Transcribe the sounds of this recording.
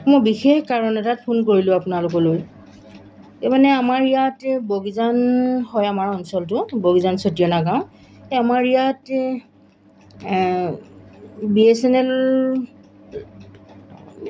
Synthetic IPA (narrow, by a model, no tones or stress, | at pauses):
mojbixexkaɹɔnɛtat̚pʰonkoɹilʊ̃apʊnalʊk̬ɔloj | emanɛamaɹijatboɡizanhɔjamaɹɔnsɔltʊboɡizansotijɔnaɡãʊ̃ | eamaɹijat | biesɛnɛl